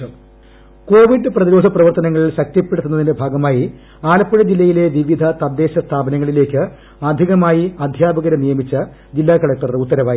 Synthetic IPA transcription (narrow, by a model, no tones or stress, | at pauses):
ko̞ːʋiɖɨprɐðiɾo̞ːd̪ʱɐprɐʋɐrt̪ɐnɐŋːɐɭilɕɐk̚t̪jɐpːeɽut̪ːunɐðinɨbʱaːɡɐmaːji | aːlɐpːuɻɐd͡ʑilːɐjile̞ʋiʋid̪ʱɐt̪ɐd̪ːe̞ːɕɐst̪ʰaːbɐnɐŋːɐɭile̞ːkʲːɨ | ɐd̪ʱiɣɐmaːjiɐd̪ʱjaːbɐɣɐɾɐnijɐmit͡ɕːɐ | d͡ʑilːaːkɐɭɐk̚ʈɐrut̪ːɐɾɐʋaːji